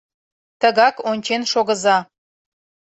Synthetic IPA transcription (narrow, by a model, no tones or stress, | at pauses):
t̪əɣɑkonʲt͡ɕenʃoɣəzɑ